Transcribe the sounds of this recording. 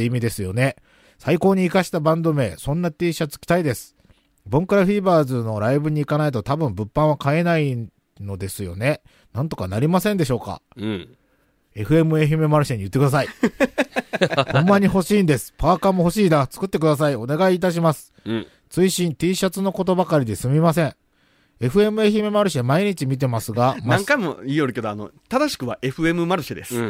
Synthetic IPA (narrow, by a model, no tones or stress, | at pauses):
imʲid̪e̞sɨjo̞ne̞ | saiko̞ːɲ̟iːkaɕi̥t̪abãnd̪o̞me̞ːsõ̞nːat̪ʲiːɕat͡sɨ̥kʲi̥t̪aid̪e̞sɨ̥ | bõŋkɯ̟ɾaɸiːbaːzɨno̞ɾaibɯ̟ɲ̟iːkanait̪o̞t̪abɯ̟̃mbɯ̟pːãɰ̃βakae̞nai | no̞d̪e̞sɨjo̞ne̞ | nãnt̪o̞kanaɾʲimasẽ̞nd̪e̞ɕo̞ːka̰ | e̞ɸɯ̟e̞mɯ̟eɦɯmɯmaɾɯ̟ɕeɲ̟ijɯ̟t̪ːekɯasai | kõmːaɲ̟iɦo̞ɕiːnd̪e̞sɨ̥paːkamoɦo̞ɕiːnat͡sɨ̥kɯ̟t̪ːe̞k̬ɯ̟d̪as̬aio̞ne̞ɡaiːt̪aɕ̬imasɨ̥ | t͡sɨiɕĩnt̪iːɕat͡sɨno̞ko̞t̪̬o̞bakaɾʲid̪e̞sɨmʲimas̬ẽ̞ɰ̃ | e̞ɸɯ̟e̞mɯ̟eçimemaɾɯ̟ɕiamaiɲ̟it͡ɕimʲit̪̬e̞masɨɡamnaãŋkaimo̞iːjoɾɯ̟ke̞d̪oano̰t̪ad̪aɕi̥kɯ̟βa̰ʔe̞ɸɯ̟e̞mɯ̟maɾɯ̟ɕid̪e̞̰sɨ̥